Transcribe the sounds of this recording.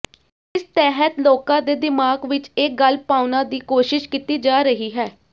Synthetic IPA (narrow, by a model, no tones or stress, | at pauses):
ɪst̪ɛːɦət̪loːkãːd̪eːd̪ɪmaːɡʋɪt͡ʃeːkɡəlpaːʊnãːd̪iːkoːʃɪʃkit̪iːd͡ʒaːɾəɦiːɦɛː